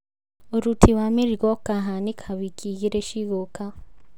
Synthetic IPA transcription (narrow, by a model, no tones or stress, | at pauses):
oɾutʰiwamiɾiɡokaɦanikʰaβikʰiɣiɾeʃiɣoka